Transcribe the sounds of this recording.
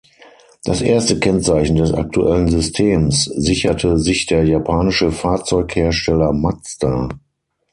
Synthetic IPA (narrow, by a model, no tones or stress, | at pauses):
d̥asʔeːɐstəkʰɛnt͡saɪçn̩dɛsa̰k̚tuʔɛlənzʏstʰeːmszɪçɐtʰəzɪçd̥eːɐjapʰaːnɪʃəfaɐt͡sɔʏkheːɐʃtɛlɐmat͡sta